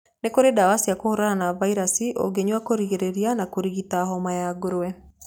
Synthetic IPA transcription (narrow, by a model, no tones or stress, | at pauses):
nekoɾedawasiakohoɾananavaiɾasiʔo̰ɡeɲwakoɾiɣeɾeɾianakoɾiɣitaɦɔmajaɡoɾoɛ